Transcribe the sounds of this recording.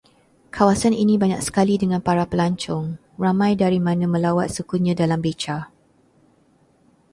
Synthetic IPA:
kʰawasaninĩbaɲak̚sə̥kalidəŋãnpaɾapəlaɲt͡ʃɔŋ | ramãjdaɾimãnãmə̃lawat̪̚səkuɲãdalambet͡ʃa

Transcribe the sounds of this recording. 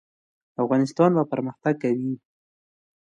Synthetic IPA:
afɣɑnɪst̪ɑnbapəɾməxt̪aɡ̚kawi

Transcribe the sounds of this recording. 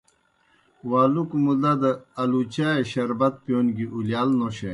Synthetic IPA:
waːlukmud̪ad̪əɐlut͡ɕaeɕɐɾbɐt̪̚pijonɡiʔuljaːlnoɕe

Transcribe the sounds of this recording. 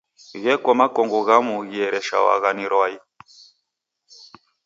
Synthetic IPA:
ɣɛkɔmakɔŋɡɔɣamuɣiɛɾɛʃa̰wa̰ɣaniɾwai

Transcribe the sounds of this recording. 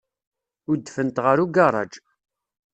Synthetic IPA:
ʊɾd̪ːfənt̪ʁəɾuɡɑrˤɑ̰d͡ʒ

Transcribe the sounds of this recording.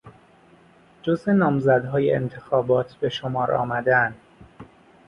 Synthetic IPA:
d͡ʒoze̞nɒːmzæd̪ɦɒːjḛḛnt̪ʰe̞xɒːbɒːt̪ʰbe̞ʃomɒːɾɒ̰ːmæd̪ænd̪

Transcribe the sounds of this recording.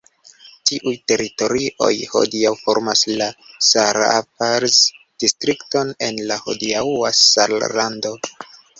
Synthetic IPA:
tiʔujte̞ɾito̞ɾiʔo̞̰jho̞̰diawfo̞ɾmaslasaɾapaɾz | d̥istɾikto̞ne̞nlaho̞̰diawasallando̞

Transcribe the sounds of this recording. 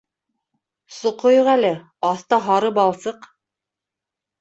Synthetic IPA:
sŏqojoʁælɘ | ɑθt̪ɑɦɑɾɤpɑlˠsɤq

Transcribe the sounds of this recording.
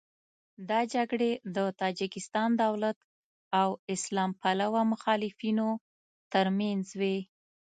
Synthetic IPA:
d̪ɑd͡ʒaɡɽed̪ət̪ɑd͡ʒɪkɪst̪ɑnd̪awlat̪ | awɪslɑmpalawamʊxɑlɪfino | t̪əɾmanzwe

